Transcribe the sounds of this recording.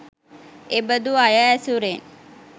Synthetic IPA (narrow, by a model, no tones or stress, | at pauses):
ebəd̪uajaːsuɾen